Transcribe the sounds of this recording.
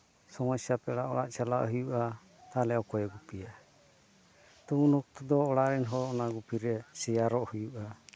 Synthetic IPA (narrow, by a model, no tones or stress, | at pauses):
sɔmɔsiapɛɽaʔɔɽa̰ʔt͡ʃala̰ʔɦujuʔa | t̪alɛɔwkɔjɛɡupija | t̪uunɔk̚t̪ɔd̪ɔːɽaʔɾɛnɦɔɔnaɡupiɾɛsɛjaɾɔʔhujuʔa